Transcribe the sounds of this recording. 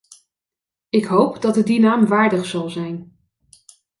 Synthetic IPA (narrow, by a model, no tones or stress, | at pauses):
ɪkɦowpdɑtədinaːmʋaːɹdəχsɑlˠzɛjn